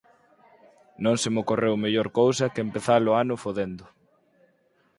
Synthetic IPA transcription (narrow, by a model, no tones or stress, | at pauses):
nõŋsɪmokorewmeʎoɾkowsɐkempeθalʊanʊfoðend̪ʊ